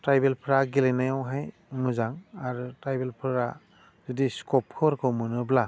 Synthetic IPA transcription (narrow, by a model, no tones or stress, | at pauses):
tɾajbelpʰɾaɡilejnajawɦaj | mɯzaŋaɾutɾajbelpʰɯɾa | zudiskɔp̚kʰɯɾkʰɯwmɯnɯbla